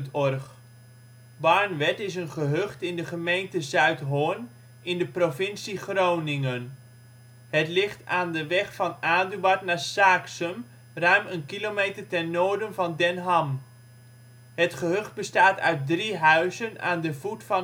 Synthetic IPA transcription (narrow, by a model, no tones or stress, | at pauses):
tɔrχ | bɑɹnʋɛtɪsənχəɦɵχtɪndəχəmejntəzœɥtɦʊn | ɪndəprovɪnsiχrownɪŋən | hətlɪχtaːndəʋɛχfɑnaːdyɑtnaːɹsaːksəm | rœɥmənkilomejtəɹtɛnːoːɹdənvɑndɛnɦɑm | ɦətχəɦɵχd̚bəstaːtœ̰ɥt̚driɦœɥzəna̰ːndəvutfɑ